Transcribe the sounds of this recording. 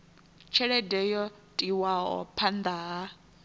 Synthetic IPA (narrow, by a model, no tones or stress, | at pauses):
t͡ʃʰɛɺɛdɛjɔ | tʼiwaɔ̰pʰand̪aɦa